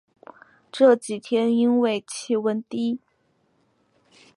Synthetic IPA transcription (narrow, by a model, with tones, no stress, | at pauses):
ʈ͡ʂɤ˥˩t͡ɕi˨˩t̪ʰjɛ˥ni˥nwe˥˩ɪt͡ɕʰi˥˩wə˧˥nt̪i˥